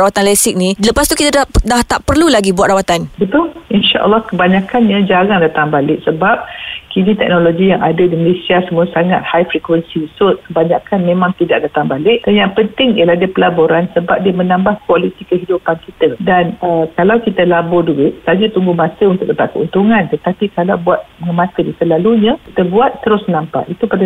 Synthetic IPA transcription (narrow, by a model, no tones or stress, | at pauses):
awat̪anlɛsɪk̚niləpast̪ukit̪adadaht̪aʔpərlulaɡibuat̪rawat̪anbət̪ʊlinʃaʔə̰lːɑhkəbaɲakanɲəd͡ʒaɾaŋdat̪aŋbalɪʔsəbap̚kinit̪ɛk̚noloɡijaŋa̰dadiməlesiasəmuasaŋat̪̚hajfɾikwənsiisɔt̪̚kəbaɲakʰanmẽmãŋt̪idaʔ̚dat̪aŋbalɪʔ̚danjaŋpənt̪ɪŋiəlahdiəpəlaboɾansəbap̚diəmənambahkualit̪ikəɦidupankit̪ədanəkalawkit̪əlabʊrduɪʔ̚sad͡ʒət̪uŋɡumasəunt̪ʊkdəpat̪̚kəṵnt̪uŋãnt̪ət̪apikalawbuat̪̚əəmat̪ədisəlaluɲə̃kit̪əbuat̪ːəɾʊsnampa̰ʔit̪upada